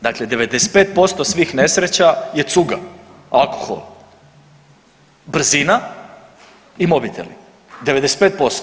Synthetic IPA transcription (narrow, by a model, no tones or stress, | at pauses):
d̪akled̪eʋe̞d̪ese̥t̪pe̞ːt̪̚po̞st̪o̞sʋiːxne̞sɾet͡ɕajet̪suɡa̰ | alˠkoxo̰l | br̩zina | imo̞bit̪ʰe̞̰lḭ | d̪eʋe̞d̪ese̥t̪peːt̪̚po̞st̪o